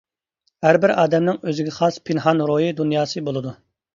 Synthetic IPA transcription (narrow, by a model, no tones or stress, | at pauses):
hæɾbɪɾɑːd̪ɛmnɪŋøzɪɡʲɛχɑspʰɪnɦɑnɾojid̪unjɑːsɨbolˠɨd̪u